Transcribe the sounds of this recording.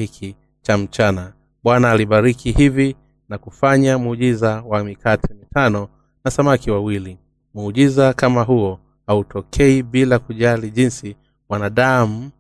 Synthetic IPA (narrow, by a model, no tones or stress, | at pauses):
ikʰi | t͡ʃam̩t͡ʃana | ɓwanaːliɓaɾikʰihivi | nakufaɲamuʄizawamikʰatʰɛmitanɔ | nasamakiwawili | muuʄizakamaɦuɔ | hautʰɔkʰɛiɓilakuʄaliʄinsi | wanaɗam̩